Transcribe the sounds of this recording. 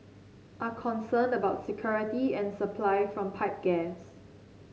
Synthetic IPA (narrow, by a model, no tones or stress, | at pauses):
ʔakʰɔ̃nsə̃ndəbaʊtsikʰjɔɹitiɛ̃nsəpʰlaɪfɹɔ̃mpʰaɪp̚ɡ̥ɛs